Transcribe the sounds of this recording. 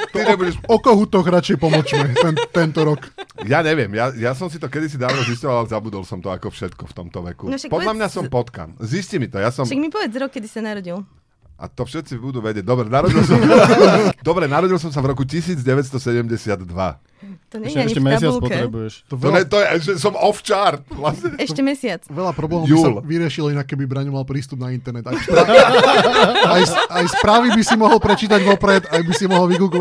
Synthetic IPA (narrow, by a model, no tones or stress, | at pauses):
t̪iɲɛbuɟɛʃɔkɔɦut̪ɔɣɾat͡ʃɛjpɔmɔt͡ʃmɛt̪ɛnt̪ɛnt̪ɔɾɔkjaːɲɛʋɪɛmjajasɔmsit̪ɔkɛd̪is̬id̪aːɔziscɔʋalalɛzabud̪ɔlsɔmt̪ɔakɔfʃɛt̪kɔft̪ɔmt̪ɔʋɛkunakpɔd̪lamɲasɔmpɔt̪ka̰nziscimit̪ɔjasɔmʃaɡmipɔʋɛd͡zɾɔkːɛd̪isanaɾɔɟil | ʔa̰t̪ɔfʃɛt̪t͡sibud̪uːʋɛɟɛɟ̚d̪ɔbɾɛnaɾɔɟilsɔ | d̪ɔbɾɛnaɾɔɟils̬ɔms̬avɾɔkucisiːd͡zɟɛʋɛt̪st̪ɔsɛɟɛmɟɛsɪad̪ːʋa̰ | ɔɲɲɛaɲiɛsaɪaut͡slpɔt̪ɾɛbujɛʃt̪ɔɛɔɛt̪ɔjɛʒɛs̬ɔmɔft͡ʃaɾt̪̚ʋlasɲɛɛʃɔɛmɛsɪat͡sʋɛʎapɾɔblɛːmɔjusːalʋiɾɪɛʃilinakːɛbibɾaɲumalpɾiːst̪ubnaint̪ɛɾnɛt̪a | ajsajspɾaːʋibisimɔɦɔlpɾɛt͡ʃiːt̪̬aɟʋɔpɾɛt̪ajbisimɔɦɔlʋiɡuɡɔʋ